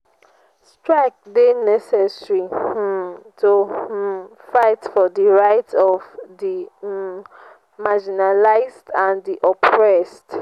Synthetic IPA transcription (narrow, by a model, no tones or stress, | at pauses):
stɹak̚denɛsɛsɹi | tʰu | faɪtfɔdiɹaɪtʰɔvdi | mad͡ʒinalaɪzdãndiʔɔpʰɹɛst